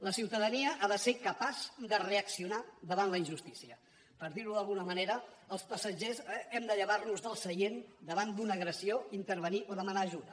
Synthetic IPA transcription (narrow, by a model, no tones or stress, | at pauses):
ləsiwt̪əðəniəʔaðəsekəpaz̥d̪əreəksiunaðəβanləinʒust̪isiə | pəɾðiɾluðəlˠɣunəməneɾəəlˠspəsəʒezɛmd̪əʎəβarnuzðəlˠsəjend̪əβ̞and̪unəːɣɾəsioint̪əɾβəniʔoðəmənaːʒuðə